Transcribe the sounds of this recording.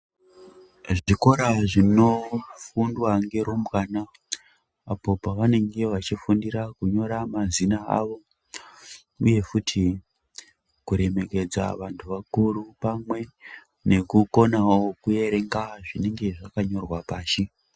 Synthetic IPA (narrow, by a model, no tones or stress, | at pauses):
ʐiko̞ɾaʐino̞fundwaŋɡe̞ɾombwaːna | apo̞paʋane̞ŋɡe̞ʋat͡ʃifundiɾakuɲo̞ɾamazinaa̰ʋo̞ | uje̞futʰi | kuɾe̞me̞ke̞d͡za̰ʋantʰuʋakuɾupamwe̞ | ne̞kuko̞naokuje̞ɾe̞ŋɡaʐine̞ŋɡe̞ʐakaɲo̞rwapaːʃi